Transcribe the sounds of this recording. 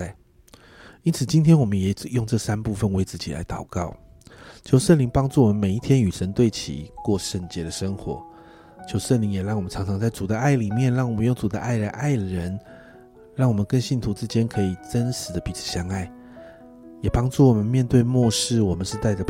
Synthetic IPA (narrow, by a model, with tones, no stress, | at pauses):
i˥nt͡sʰɹ̩˨˩t͡ɕi˥nt̪ʰjɛ˥nwɔ˨˩mə˦njɛ˨˩˨jʊ˥˧ŋʈ͡ʂɤ˥˩sa˥npu˥˧fə˨nwe˧˥ɪt͡sɹ̩˥˩t͡ɕi˨˩la̰˥ɪt̪ɑ˨˩ʊkɑ˥˩ʊ | t͡ɕʰjo˧˥ʊʂə˥˩nli˧˥ŋpɑ˥ŋʈ͡ʂu˥˩wɔ˨mə˦nme˨˩ɪi˥t̪ʰjɛ˥ny˨˩ʂə˧˥nt̪we˥˩ɪt͡ɕʰḭ˨˩kwɔ˥˧ʂə˥˩ŋt͡ɕjɛ˧˥d̪ə˨ʂə˥ŋxwɔ̰˧˥˦ | t͡ɕʰjo˧˥ʊʂə˥˩nli˧˥ŋjɛ˨˩ɻɑ˥˩ŋwɔ˨˩mə˦nʈ͡ʂʰɑ˧˥ŋʈ͡ʂʰɑ˧˥ŋt͡sa˥˩ɪt͡su˨˩d̪ə˦a˥˩ɪli˨˩mjɛ˥˨nɻɑ˥˩ŋwɔ˨˩mə˦njo˥˩ŋt͡su˨˩d̪ə̰˦ʔa˥˩ɪɻə˧˦nʔa˥˩ɪɻə˧˦n | ɻɑ˥˩ŋwɔ˨˩mə˦nkə˦˥nɕi˥˩nt̪ʰu˧˥t͡sɹ̩˥˩t͡ɕjɛ˥nkʰɤ˧˥i˨˩ʈ͡ʂə˦˥nʂɻ̩˧˥˦d̪ə˧pi˨˥t͡s̩ʰ˨˩ɕjɑ˥ŋa˥˩ɪ | jɛ˨˩pɑ˥ŋʈ͡ʂu˥˩wɔ˨˩mə˦nmjɛ˥˧nt̪we˥˧ɪmwɔ˥˧ʂɻ̩˥˩wɔ˨˩mə˦nʂɻ̩˥˧t̪a˥˩ɪd̪ə˩